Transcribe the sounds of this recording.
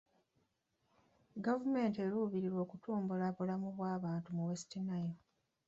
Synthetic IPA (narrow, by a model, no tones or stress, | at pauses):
ɡavume̞ːnte̞ɾuːβiɾiɾwo̞ːkutʰuːmbulaβulamuβwaːβaːntumuwesi̥tinajo